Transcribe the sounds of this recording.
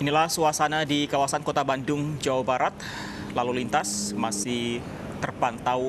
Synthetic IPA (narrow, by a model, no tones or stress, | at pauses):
inilahsuasanadikawasankot̪abandʊŋd͡ʒawabaɾat̪̚ | lalulint̪asmasɪh | t̪ərpant̪aw